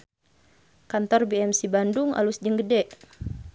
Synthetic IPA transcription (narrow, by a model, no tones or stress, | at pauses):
kant̪ɔrbiɛmsibanduŋa̰lusd͡ʒəŋɡədɛʔ